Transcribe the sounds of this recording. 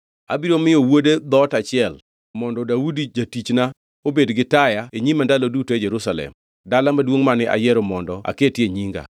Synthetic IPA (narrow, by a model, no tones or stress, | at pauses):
a̰biɾomɪjɔwoded̪ɔtat͡ʃɪɛl | mɔndɔdaudid͡ʒatit͡ʃna | obedɡɪtajaeɲimandalodutoed͡ʒɛɾusalɛ̰m | dalamadwoŋmanɪʔa̰jɛɾomɔndɔʔa̰ketjeɲiŋɡa̰